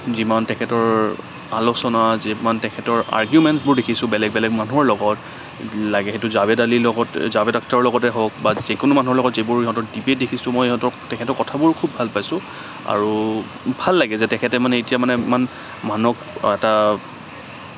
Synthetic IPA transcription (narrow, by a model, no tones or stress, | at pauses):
zimantɛkʰɛtɔɹ | alosɔnazimantɛkʰɛtɔɹa̰ɹɡjumɛntsbʊɹdekʰisʊ̃bɛlɛɡ̚bɛlɛɡmanuɔɹlɔɡɔt | laɡɛxetʊzabɛdalilɔɡɔtzabɛdak̚taɹlɔɡɔtɛɦok̚bazikʊnʊmanuɦɔɹlɔɡɔtzebʊɹiɦɔtɔɹdibet̚dekʰisʊ̃mɔjiɦɔtɔtɛkʰɛtɔɹkɔtʰabʊɹkʰubʱalpajsʊ̃ | a̰ɹu | bʱalːaɡɛzɛtɛkʰɛtɛmanɛetijamanɛiman | manɔk | ɛta